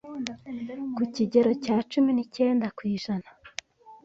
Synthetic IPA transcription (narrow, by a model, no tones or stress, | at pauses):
kuciɟe̞ɾo̞caːt͡ʃuminice̞ːndakwiːʒana